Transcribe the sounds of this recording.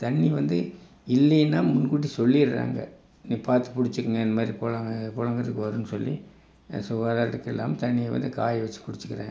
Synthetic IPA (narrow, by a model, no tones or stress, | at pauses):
t̪ɐɳːiʋɐnd̪ɯ | ɪlːɛjnːaːmʊnkuːʈ̬ːisɔlːiɪɾɯɾa̰ːŋɡɐ̰ | nĩːpaːɾt̪ɯ̥pʊɽɪt͡ʃːɯkːɯŋɡɐɪnd̪ɐmaːd̪ɾipoːlaːŋɡɐpoːlɐŋɡɐɾɐt̪ɯkːɯʋɐɾɯnɯsɔlːi | sʊɣaːðaːɾɪɽɯkːɛlːa̰ːmt̪ɐnːɪjɛʋɐ̰nd̪ɯkaːjʋɛt͡ʃːɯ̥kʊɽɪt͡ʃːɯ̥kːɪɾã̰ːŋɡ